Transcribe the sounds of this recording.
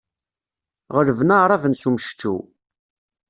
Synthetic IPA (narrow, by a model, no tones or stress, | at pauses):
ʁəɾəvnaʁɾˤavənsuməʃt͡ʃːṵ